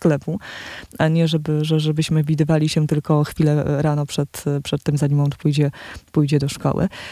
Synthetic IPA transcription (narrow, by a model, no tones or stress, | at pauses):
sklɛpuaɲɛʐɛbɘʐɛʐɛbɘɕmɘvʲid̪ɘvalʲiɕɛt̪ɘlkɔxfʲilɛɾanɔpʂɛt̪pʂɛt̪ːɛmzaɲʲimɔ̃w̃pujd͡ʑɛpujd͡ʑɛd̪ɔʂkɔ̰wɘ̰